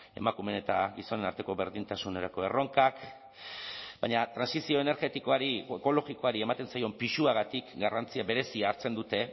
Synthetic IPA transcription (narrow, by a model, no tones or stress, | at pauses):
e̞̰makume̞ne̞t̪aɣiso̞ne̞naɾt̪e̞ko̞βe̞ɾðint̪asune̞ɾako̞e̞ro̞ŋkak | baɲat̪ɾansisio̞e̞ne̞ɾɣe̞t̪iko̞aɾieko̞lo̞ɣiko̞aɾie̞mat̪e̞nsajo̞mpiʃuaɣat̪ikɡarant͡siaβe̞ɾe̞siaːɾt͡se̞nd̪ut̪e̞